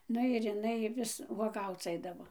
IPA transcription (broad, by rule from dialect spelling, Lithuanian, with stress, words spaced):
ˈnʊ ɪr ɪˈnɐɪ ˈʋʲɪs ʋuɔˈɡɐʊt͡s ˈɐɪdɐʋoː